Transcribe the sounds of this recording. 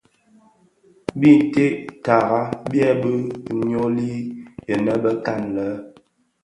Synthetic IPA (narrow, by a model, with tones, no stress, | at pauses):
bi˦˨n˨te˦ʔta˨ɣa˦bjɛ˦bə˦˨ɲo˦li˦jə˨nə˦bə˦ka˦˨nlə˦